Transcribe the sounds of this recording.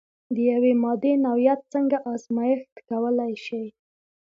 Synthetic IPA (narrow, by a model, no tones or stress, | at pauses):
d̪əjawemɑd̪enawjat̪̚t͡səŋɡaʔɑzmɑjɪxt̪kawəlajʃaj